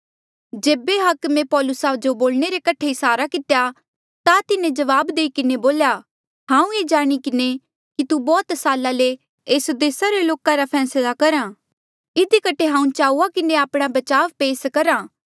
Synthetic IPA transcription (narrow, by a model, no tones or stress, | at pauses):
d͡ʒeːbeɦɐkmẽpɔːlʊsad͡ʒoboːlɽ̃eɾekɐʈʰeɪsaːɾakɪt̪eja | t̪at̪ɪnẽd͡ʒɐʋaːbd̪eːikɪneboːlja | ɦãːũeːd͡ʒaːɽ̃ikɪne | kit̪ubɔːt̪saːlale | eːsd̪eːsaɾeloːkãɾapʰɛːslakɐɾãː | ɪd̪ikɐʈʰeɦãːũt͡ʃaːuakɪneaːpɽ̃abɐt͡ʃaːʋpeːskɐɾãː